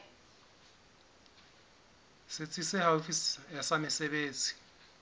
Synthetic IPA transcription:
sɪt͡sʼisɪhaufisasamɪsebeːt͡sʼi̥

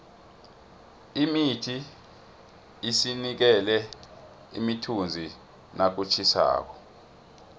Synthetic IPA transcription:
imitʰi | sinik̬ɛlɛ | ḭmitʰund͡zʱi | nʔak̬ut͡ʃʰisa̰ːk̬ɔ̥

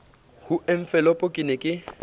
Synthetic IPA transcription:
hueɱ̩fɛlɔpʼokʼɪnekʼɪ

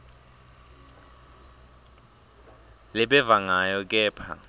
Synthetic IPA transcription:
lɛɓɛvaŋajɔk̬ʼɛːpʰa̰

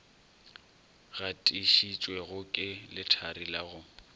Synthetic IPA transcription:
ɣatʼiʃit͡ʃʼwɛɣʊkʼɪlɪtʰaɾilaɣʊ

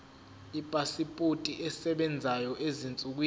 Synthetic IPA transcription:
ipʼasipʼutʼiʔɛsɛɓɛnd͡zʱajɔʔezint͡sʼuk̬wiː

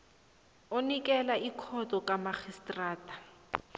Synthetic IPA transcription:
onikʼɛlaikʰɔtʼɔkʼamaxistʼraːtʰʼḁ

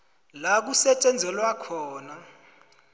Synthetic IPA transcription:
lak̬usɛt͡ʃʼɛnd͡zʱɛlwakʰɔːna

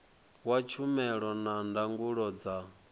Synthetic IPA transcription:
wat͡ʃʰumɛɺɔnandaŋɡuɺɔd͡za

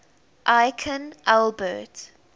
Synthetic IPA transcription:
ʔaɪkʰə̃nʔɛlbət

